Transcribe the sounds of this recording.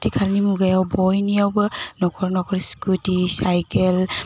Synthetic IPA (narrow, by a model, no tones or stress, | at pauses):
tikʰalnimuɡajawbɔjnijawbɯnɔkʰɔɾnɔkʰɔɾiskutisajkel